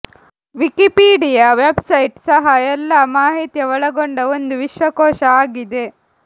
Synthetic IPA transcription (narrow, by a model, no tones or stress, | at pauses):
ʋikipiːɖijaʋebsɐjʈsɐɦɐɛlːɐmaːɦit̪jɐʋɐɭɐɡoɳɖɐond̪uʋiʃʋɐkɔːʃɐaːɡid̪e̞